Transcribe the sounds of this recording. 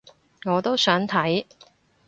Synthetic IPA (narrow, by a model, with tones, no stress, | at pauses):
ŋɔː˨˧t̪o˥wsœː˨˥ŋt̪ʰɐ˨˥j